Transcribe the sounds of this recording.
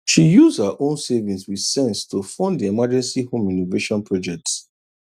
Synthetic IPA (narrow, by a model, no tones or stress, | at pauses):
ʃijuzhəʔõnsevĩŋswið̥sɛ̃nstʰofɔ̃nddiɛmad͡ʒɛ̃nsihõmĩnoveʃɔ̃npʰɹɔd͡ʒɛk̚ts